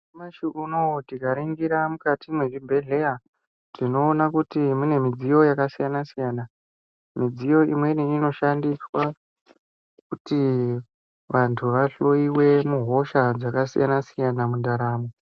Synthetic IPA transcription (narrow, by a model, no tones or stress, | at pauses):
maʃiʔunotikaɾiŋɡiɾamukatimweribʱe̞ɮe̞a | tino̞ːnakutimune̞mid͡zijo̞jakasijanasijaːna | mid͡zijo̞ḭmwe̞niino̞ʃandiswa | kuti | ʋantʰuʋaɬo̞iwe̞muɦo̞ʃad͡zakasḭjanasijanamundaɾaːmo